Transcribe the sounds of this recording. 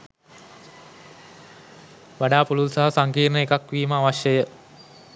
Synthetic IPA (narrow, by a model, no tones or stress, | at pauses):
ʋaɖaːpululsaɦasaŋkiːɾnəekakʋiːməaʋaʃjəjə